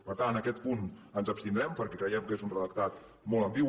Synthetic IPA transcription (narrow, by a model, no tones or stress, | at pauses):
pəɾt̪annəkɛt̪̚punənzəpst̪ind̪ɾɛmpəɾkɛkɾəjɛmkezunrəðək̚t̪at̪ | mɔlˠəmbi